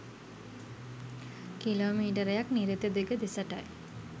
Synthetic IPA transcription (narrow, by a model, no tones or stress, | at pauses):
kiloːmiːʈəɾejakniɾit̪ed̪eɡəd̪isəʈa̰j